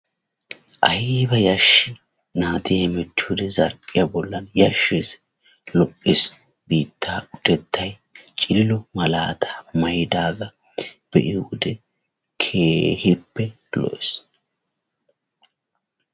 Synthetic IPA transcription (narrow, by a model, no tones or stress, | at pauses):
ʔɐjɪbɐjɐʃːɪ | naːt̪ɪjɐmɛt͡ʃːuːd̪ɛzɐɾkʼɪjabɔlːɐnjɐʃːeːs | lɔkʼːɪs | biːt̪ʰːaːʊd̪ɛt̪ʰːɐj | t͡ʃʼɪlːɔmɐlaːt̪ʰḁːmɐjd̪aːɡɐ | b̥ɛʔɪud̪ɛ | kʰeːhɪpːɛ | lɔ̰ʔes